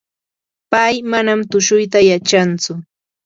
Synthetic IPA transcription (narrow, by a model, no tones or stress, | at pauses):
pajmanamt̪ʊʃʊjt̪̬ajat͡ʃant͡sʊ